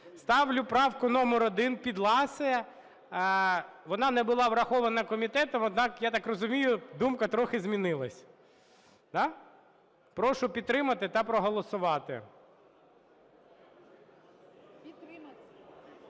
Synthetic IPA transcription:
st̪ɑʋlʲʊpɾɑwkʊnɔmɔɾɔd̪ɪnpʲid̪lˠɑsɪjɛ | ʋɔnɑnɛbʊlˠɑʋɾɐxɔʋɐnɐkɔmʲit̪ɛt̪ɔmɔd̪nɑkjat̪ɑkrɔzʊmʲijʊd̪umkɐt̪ɾɔxɪzmʲinɪlˠɐsʲ | d̪ɑ | pɾɔʃʊpʲid̪̚ːɾɪmɐt̪ɪt̪ɐpɾɔɦɔlˠɔsʊʋɑt̪ɪ̰

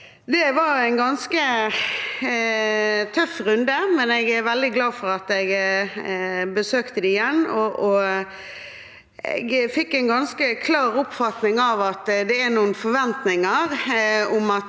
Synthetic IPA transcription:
d̪ɛʋɑæɪnɡɑnskə | t̪ʰœfɾʉnd̪əmɛnɛɡæɾʋɛld̪ɪɡlɑːfɔɾɑt̪ɛɡ | bəsøːkt̪əd̪iɪjɛnːɔʔɔ | ɛ̰ɡfɪkːɛɪnɡɑnskəkʰlɑːɾʊpfɑt̪nɪŋɑʋɑt̪d̪ɛæɾnuːənfɔʋɛnt̪nɪŋəɾʊmɑt̪

